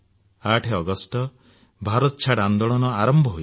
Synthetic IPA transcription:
aʈʰeɔɡɔsʈɔ | bʱaɾɔt̪ɔt͡ʃʰaɽand̪ɔɭɔnɔaɾɔmbʱɔɦoj

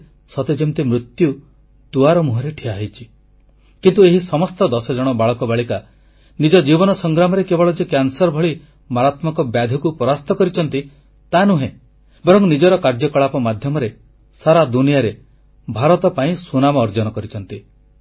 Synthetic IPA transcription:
sɔt̪ed͡ʒɔnt̪imɾut̪ju | t̪uaɾɔmuɦɔɾeʈʰiaɦijt͡ʃʰi | kint̪ueɦisɔmɔst̪ɔd̪ɔsɔd͡ʒɔɽ̃ɔbaɭɔkɔbaɭika | nid͡ʒɔd͡ʒibɔnɔsɔŋɡɾamɔɾekebɔɭɔd͡ʒekjansɔɾbʱɔɭi | maɾat̪mɔkɔbjad̪ʱɔkupɔɾast̪ɔkɔɾit͡ʃʰɔnt̪i | t̪anuɦẽ | bɔɾɔŋnid͡ʒɔɾɔkaɾd͡ʒɔkɔɭapɔmad̪ʱjɔmɔɾe | saɾad̪unijaɾe | bʱaɾɔt̪ɔpaĩsunamɔːɾd͡ʒɔnɔkɔɾit͡ʃʰɔnt̪i

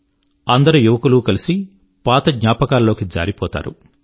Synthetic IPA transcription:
ɐnd̪ɐɾujuʋɐkulukɐlisi | paːt̪ɐɡɲaːpɐkaːlːo̞ːkid͡ʒa̰ːɾipɔːt̪a̰ːɾṵ

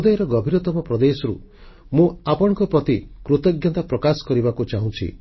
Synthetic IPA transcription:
ud̪ɔjɾɔɡɔbʱiɾɔt̪ɔmɔpɾɔd̪esɔɾṵ | mũapɔɽɔ̃ŋkɔpɾɔt̪ikɾut̪ɔɡjɔt̪apɾɔkasɔ̥kɔɾibakut͡ʃaɦũt͡ʃʰḭ

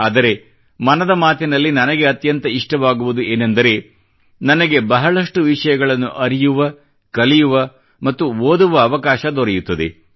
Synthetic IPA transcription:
aːd̪ɐɾe̞ | mɐnɐd̪ɐmaːt̪inɐlːinɐnɐɡeɐt̪jɐnt̪ɐiʂʈɐʋaːɡuʋud̪ueːnend̪ɐɾe̞ | nɐnɐɡe̞bɐɦɐɭɐʂʈuʋiʂɐjɐɡɐɭɐnːuʔɐɾijuʋɐ | kɐlijuʋɐ | mɐt̪ːuʋoːd̪uʋɐːʋɐkaːʃɐd̪ɔɾɛjut̪ːɐd̪e̞̰

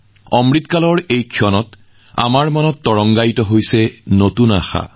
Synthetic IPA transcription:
ɔmɹitkalɔɹejkʰiɔnɔt | a̰maɹmanɔtːɔɹɔŋɡajtɔɦojsɛnotuna̰xa̰

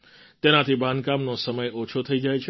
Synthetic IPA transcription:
t̪enat̪ʰibʱãnkamnosəməjot͡ʃʰot̪ʰəid͡ʒajt͡ʃʰ

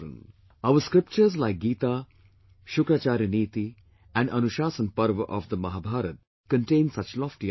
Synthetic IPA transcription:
ə̰̃n | aʋəskɾɪp̚t͡ʃəɾzlaɪk̚ɡiːt̪a | ʃʊkɾat͡ʃaːɾjəniːt̪i | ɛ̃nɖʔʌnuʃaːsə̃npɐɾʋəʔɔ̰ʋd̪əmɐɦaːbʱaːɾət̪̚ | kə̃nʈẽːnsʌt͡ʃlɔːfʈi

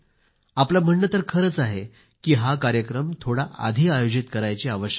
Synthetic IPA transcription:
aplam̤əɳːət̪əɾkʰəɾət͡saɦe | kiːɦakaɾjəkɾəmt̪ʰoɽaʔa̰d̪ʱiːajod͡ʑit̪kəɾajt͡ɕiaʋəɕə

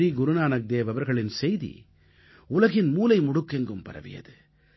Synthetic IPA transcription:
iɡʊɾɯnaːnɐk̚d̪eːʋɐʋɐɾɣɐɭɪnsɛjðḭ | ʊlɐɣɪnmuːlɐɪmʊɽɯkːɛŋɡɯmpɐ̰ɾɐ̰ʋɪ̰jɐ̰ðɯ

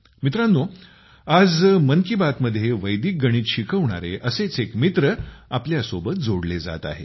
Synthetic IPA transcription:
mit̪ɾanːo | ad͡zməŋkibat̪məd̪ʱjeʋəjd̪iːk̚ɡəɽ̃iːt̪ɕikʰəʋɳa̰ɾeʔəset͡sekmit̪ɾəapljasobət̪̚d͡zoɽled͡za̰t̪a̰ɦe

